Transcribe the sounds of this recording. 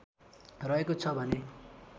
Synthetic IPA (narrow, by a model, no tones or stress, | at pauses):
rʌekot͡sʰʌbʱʌne